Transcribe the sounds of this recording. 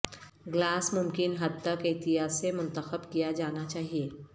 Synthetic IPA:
ɡlaːsmʊmkɪnɦɐd̪̚t̪əkɪːt̪ɪɦaːsemʊ̃nt̪əxəbkijad͡ʒaːnat͡ʃaːɦieː

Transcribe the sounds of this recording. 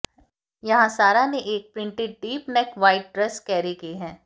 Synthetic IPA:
jɐɦãsaːɾaneʔeːk̚pɾɪ̃ɳʈɪʈ̚ɖiːpnɛkʋaːɪʈ̚ɖɾɛskɛːɾikiɦɛ̃ː

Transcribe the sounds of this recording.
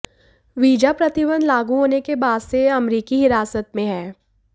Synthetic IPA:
ʋiːd͡ʒapɾɐt̪ɪbə̃nd̪laːɡuɦoːnekebaːd̪seɐmɾiːkiɦɪɾaːsət̪mẽɦɛ̃ː

